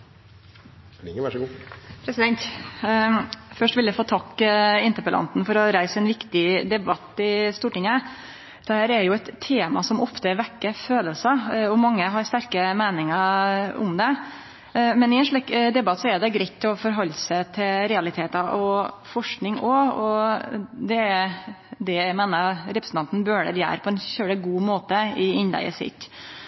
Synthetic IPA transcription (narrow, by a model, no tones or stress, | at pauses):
ɪŋəʋæʂɡuːpʰɾɛsɪd̪ɛnt̪ | fœʂʈʋɪljæfoːt̪ʰɑkːɪnt̪əɾpəlʔɑ̰nt̪n̩fɔɾɔɾæɪsəɛnʋɪkt̪ɪd̪ɛbɑt̪ːɪst̪uːʈɪŋːə | d̪̥ɛhæːɾæɾjʊɛt̪ʰːeːmɑ̰sɔmɔft̪əʋækːəføːləlsəɔmɑŋːəɦɑɾst̪æɾkəmeːnɪŋəʊ̰md̪ɛ | mɛnɪɛnʂɭɛkd̪ɛbɑt̪ːsɔɛɾd̪ɛɡɾɛɪt̪ʰːɪɔfɔɾɦɔlːsət̪ʰɪlɾɛɑlɪt̪ʰeːt̪ɑʔɔfɔʂknɪŋɔɔ | d̪ɛæd̪ɛmeːnəɾɾɛpɾəsnʰɑnt̪n̩bøːɖə̰ɾjæ̰ːɾpʰɔɛnçøːɽəɡuːmoːt̪əɪɪnlæ̰ɪə̰sɪ̰t̪ː